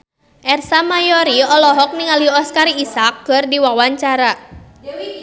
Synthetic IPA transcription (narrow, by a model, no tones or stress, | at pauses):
ʔɛrsamajɔɾiɔlɔɦɔk̚niŋaliɔskaɾiisakːɨrdiwawaɲt͡ʃaɾa